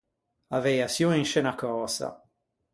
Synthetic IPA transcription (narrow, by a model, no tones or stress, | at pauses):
avɛjasjoninʃɛnakɔːsa̰